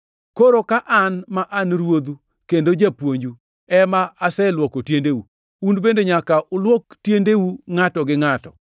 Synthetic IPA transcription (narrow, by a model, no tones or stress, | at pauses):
koɾokaʔanmaʔanɾwod̪u | kendod͡ʒapwoɲd͡ʒu | ɛmaːsɛlwɔkotjendewu | unbendeɲakaʔʊlwɔktjendewuŋatɔɡɪŋatɔ̰